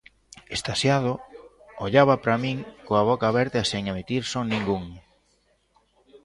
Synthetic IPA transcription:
est̪asjað̞o | oʎaβɐpɾamiŋkoaβ̞ɔkaβɛɾt̪easeŋamet̪iɾsonĩŋɡuŋ

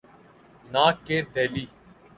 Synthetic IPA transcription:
naːkeːd̪eːliː

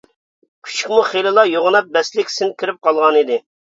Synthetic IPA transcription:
kʲʰy̥t͡ʃʰi̥kʲmuχelɨlˠɑjoʁnɑp̚bɛslɪkʲsɪnkʲʰiɾɪp̚qʰɑlˠʁɑnid̪ɪ

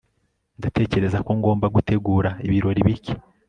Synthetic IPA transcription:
ndate̞ːce̞ɾe̞zakoŋɡo̞ːmbaɡute̞ɡuːɾaiβiɾo̞ɾiβici̥

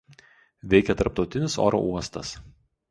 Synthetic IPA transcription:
ʋʲɛɪkʲɛt̪ɐɾpt̪ɒʊt̪ʲɪnʲɪso̰ːɾo̰ʔuɔst̪ɐs

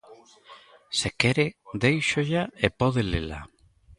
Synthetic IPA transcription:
sekɛɾed̪ejʃoʎaepɔðelela̰

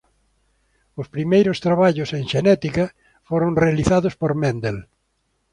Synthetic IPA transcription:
ʊspɾimejɾʊst̪ɾaβaʎʊsẽŋʃenɛt̪ikɐ | foɾõŋrealiθaðʊspoɾmẽnd̪el

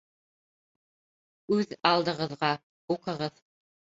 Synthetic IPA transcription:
ʉðɑlˠd̪ɤ̆ʁɤ̆ðʁɑ | uqɤ̆ʁɤð

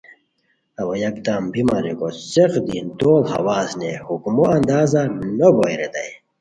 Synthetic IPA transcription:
ɐwɐjɐkd̪aːmbimaɾḛkoseqd̪ind̪oːlhɐ̰waːsnehukmoɐnd̪aːzanobojɾed̪ɐ̰j

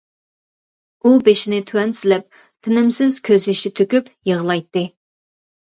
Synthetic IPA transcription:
ubeʃinɪt̪ʰywɛnsɪlɪp̚ | t̪ʰɪnɪmsɪz̥kʲʰøzɪʃit̪ʰøkʲypjəʁlˠɑjt̪ːɨ

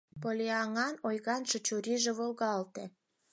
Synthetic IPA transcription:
polʲeɑŋɑnojɣɑnʃet͡ɕuɾiʒĕβolɣɑlt̪e

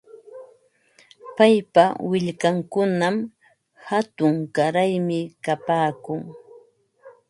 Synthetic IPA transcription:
pajpawɪʎkaŋkʊnam | hat̪ʊŋkaɾajmɪkapaːkʊŋ

